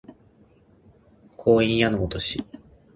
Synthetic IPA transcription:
kʰo̞ːĩɰ̃janoot̪oɕi

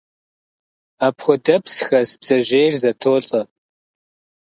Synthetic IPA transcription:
apʰχʷʊdɐpʰsxɐsb̥z̥ɐʒejrzɐtʰoːɬʼɐ

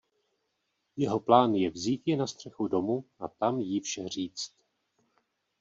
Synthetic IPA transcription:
jɛɦo̞plaːnjɛvziːt̪jɛnast̪r̝̥ɛxudo̞muʔat̪amjifʃɛr̝iːt͡st̪

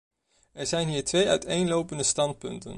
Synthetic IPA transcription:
ɛɹzɛjnɦiːɹtʋejœɥtejnlowpəndəstɑnt̚pɵ̰ntə̰n

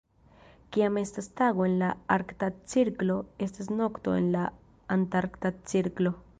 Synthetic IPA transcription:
kiamest̪ast̪aɣoenlaaɾkt̪at̪̚t͡siɾkloest̪asnokt̪o̰ḛnla | ant̪aɾkt̪at̪̚t͡siɾklo

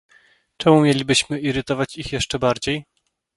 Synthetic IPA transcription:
t͡ʂɛmumʲjelʲibɘɕmɘʔiɾɘt̪ɔvat͡ɕixjɛʂt͡ʂɛbaɾd͡ʑej

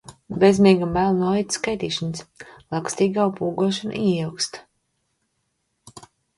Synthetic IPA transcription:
bʲezmʲiɛɡambælˠnuɔlit̪skajt̪iːʃanslˠakst̪iːɡaupuːɡuɔʃan̰iiwkst̪

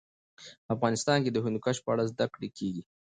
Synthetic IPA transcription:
afɣɑnɪst̪ɑnked̪əɦʊnd̪ukaʃpəaɽazd̪akɽekʰeɡi

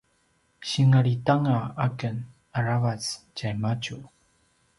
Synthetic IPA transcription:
ɕiŋaɭitaŋaakən | aɾavat͡scajmat͡ɕu

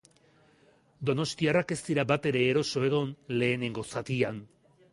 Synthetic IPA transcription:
d̪o̞no̞st̪iarake̞st̪iɾabat̪e̞ɾe̞ːɾo̞so̞e̞ɣ̞o̞nle̞ːne̞ŋɡo̞sat̪ian

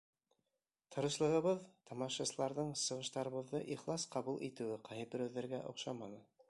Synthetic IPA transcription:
t̪ʰɤ̆ɾɤ̆ʃlˠɤ̆ʁɤ̆βɤðt̪ɑmɑʃɑsɤ̆lˠɑɾðɤɴsɤ̆ʁɤ̆ʃt̪ɑɾɤ̆βɤ̆ðːɤʔiχlˠɑsqɑβulˠʔit̪ɘ̆wɘqʰɑjɤp̚bɵ̆ɾæwðːæɾɡæʔŏ̰qʃɑmɑnɤ

